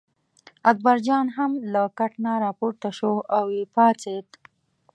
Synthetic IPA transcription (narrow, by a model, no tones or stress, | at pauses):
ak̚baɾd͡ʒɑnɦamlakaʈnaɾɑpoɾt̪aʃoawepɑt͡set̪